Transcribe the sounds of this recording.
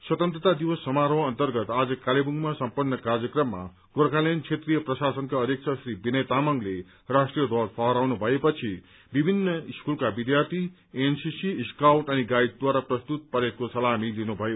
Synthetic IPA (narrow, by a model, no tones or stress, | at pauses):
swʌt̪ʌnt̪rʌt̪ad̪iwʌsːʌmaɾʌwʌnt̪ʌrɡʌt̪ad͡zʌkalebuŋɡmasʌmpʌnːʌkarjʌkrʌmːa̰ | ɡ̥oɾkalent͡sʰet̪rijʌprʌsasʌnkaʌd̪jek̚t͡sʰʌsribinʌjt̪amʌŋɡle | rasʈrijʌd̪ʱwalpʰʌɦʌɾawnubʱʌepʌt͡sʰi | bibʱinːʌiskulkabid̪jart̪ʰi | ensisiːskawʈʌniɡajd̪̚d̪waɾaprʌst̪ut̪̚pʌɾet̪̚kosʌlamilinubʱʌjo